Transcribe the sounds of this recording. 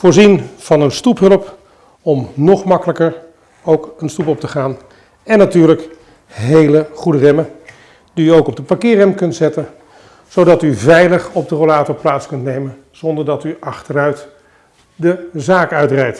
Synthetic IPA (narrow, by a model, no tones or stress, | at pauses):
vʊːɹzinv̥ɑnənstupɦɵləp | ɔmnɔχmɑkələkəɹ | owkənstupɔp̚təχaːn | ɛnːatyːɹlək | ɦejləχudərɛmən | diːowkɔb̚dəpakɪːrɛmkɵntzɛtən | z̥owdɑtyvɛjləχɔb̚dərolaːtoɹplaːtskɵntnejmən | z̥ɔndəɹdɑtyʔɑχtəɾœɥt | dəzaːkœɥtrɛjt